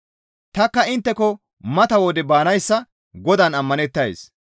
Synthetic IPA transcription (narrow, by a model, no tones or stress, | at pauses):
t̪ɐkːɐɪnt̪ːɛkɔ | mɐt̪ɐwɔd̪ɛbaːnɐjsːɐ | ɡɔd̪ɐnɐmːɐnɛt̪ːɐjs